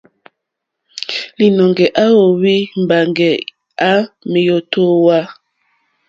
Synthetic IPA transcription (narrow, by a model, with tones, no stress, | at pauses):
li˨nɔ˨ŋɡɛ˨ʔa˦o˨wi˦m̩˨ba˨ŋɡɛ˨ | a˦me˨jo˦to˦wa˦